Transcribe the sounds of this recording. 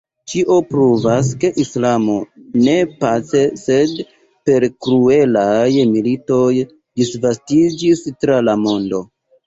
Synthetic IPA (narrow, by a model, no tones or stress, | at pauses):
t͡ʃiʔo̞pɾuvaske̞ʔislamo̞ne̞pat͡se̞se̞d | pe̞ɾkɾue̞lajmilito̞j | disvastid͡ʒistɾalamo̞ndo̞